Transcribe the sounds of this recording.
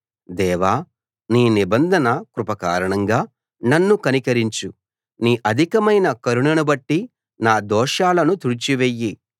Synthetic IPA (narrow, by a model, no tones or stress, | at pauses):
d̪ɛːʋaː | niːnibɐnd̪ʱɐnɐkɾupɐkaːɾɐɳɐŋɡaː | nɐnːukɐnikɐɾiɲt͡ʃu | niːʔɐd̪ʱikɐmɐjnɐkɐɾuɳɐnubɐʈːi | naːd̪ɔːʂaːlɐnut̪uɾit͡ʃiʋejːi